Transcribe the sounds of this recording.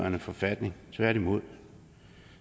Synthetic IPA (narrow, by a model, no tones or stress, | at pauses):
ɐnəfɒ̽fæd̥ne̝ŋt͡sʰʋæɐ̰ɾimo̝ð̰ˠ